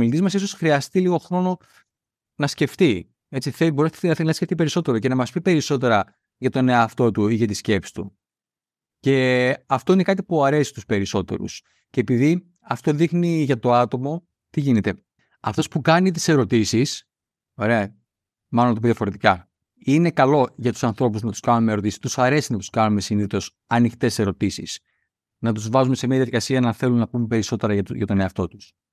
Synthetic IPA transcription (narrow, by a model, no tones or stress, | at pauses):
milit̪izmɐsiso̞sxɾiɐst̪iliɣo̞xɾo̞no̞ | nɐsce̞ft̪i | e̞t͡siθeboɾesnɐθnɐsceft̪ipe̞ɾiso̞t̪e̞ɾoce̞nɐmɐspipe̞ɾiso̞t̪e̞ɾɐ | ʝɐt̪o̞ne̞ɐft̪o̞t̪uiʝɐt̪isce̞psi̥st̪ṵ | ce̞ɐft̪o̞ine̞kɐt̪̬ipuɐɾe̞si̥t̪uspe̞ɾiso̞t̪e̞̰ɾṵs | cepiði | ɐft̪o̞ðixniʝɐt̪o̞ɐt̪o̞mo̞ | t̪iʝine̞t̪e̞ | ɐft̪o̞spukɐnit̪̬i̥se̞ɾo̞t̪isis | o̞ɾe̞ɐ | mɐlonɐt̪oiðijɐfo̞ɾet̪ikɐ | ine̞kɐlo̞ʝɐt̪u̥sɐnθɾo̞puznɐt̪u̥skɐnumeɾo̞t̪isi̥t̪usɐɾe̞sinɐt̪u̥skɐnume̞siniθo̞s | ɐnixt̪e̞se̞ɾo̞t̪isḭs | nɐt̪̬uzvɐzumese̞miɐðiɐðikɐsiɐnɐθe̞lumnɐpumepe̞ɾiso̞t̪e̞ɾɐʝɐʝɐ̰t̪o̞ne̞ɐft̪o̞t̪u̥s